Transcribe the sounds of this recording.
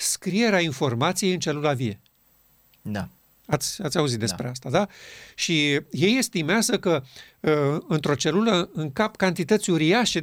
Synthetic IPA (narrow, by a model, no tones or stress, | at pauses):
skɾije̞ɾeainfo̞rmat̪sijeɨnt͡ʃe̞lulavie̞ | d̪a | at̪sʲat̪sʲauzit̪̚d̪e̞spɾe̞ast̪ad̪aʃije̞je̞st̪imeazəkə | ɨnt̪ɾo̞t͡ʃe̞luləɨŋkapkant̪it̪ət̪sʲuɾiaʃe̞